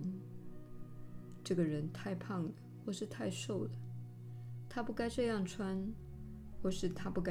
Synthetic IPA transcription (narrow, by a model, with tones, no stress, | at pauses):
ʈ͡ʂɤ˥˩ɡə˩ɻə˧˥nt̪ʰa˥˧ɪpʰɑ˥˩ŋd̪ə˩xwɔ˥˧ʂɻ̩˥˧t̪ʰa˥˧ɪʂo˥˩ʊd̪ə˩ | t̪ʰa˥pu˥˧ka˥ɪʈ͡ʂɤ˥˧jɑ˥˩ŋʈ͡ʂʰwa˥n | xwɔ˥˧˩ʂɻ̩˥˩t̪ʰa˥pu˥˩ka˥